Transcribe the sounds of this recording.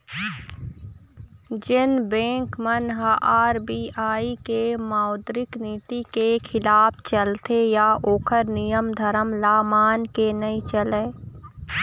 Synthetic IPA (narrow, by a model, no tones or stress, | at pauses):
d͡ʒɪnbẽːŋkmənɦaʔaːɾbiːaːikemaːʊd̪ɾɪkniːt̪ikekʰɪlaːpʰt͡ʃəlt̪ejaʔoːkʰəɾnijəmd̪ʱəɾəmlaːmaːnkenəit͡ʃəleː